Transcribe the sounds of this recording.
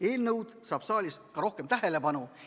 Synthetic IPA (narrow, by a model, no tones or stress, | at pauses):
e̞ːlnɤwd̪̥sɑːb̥sɑːlʲiskɑɾo̞hkemt̪æɦe̞le̞pɑnu